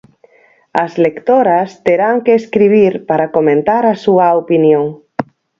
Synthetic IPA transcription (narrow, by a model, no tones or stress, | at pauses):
ɐzlekt̪oɾɐst̪eɾaŋkeːskɾiβ̞iɾpaɾakomẽnt̪aɾɐsuɐopinjoŋ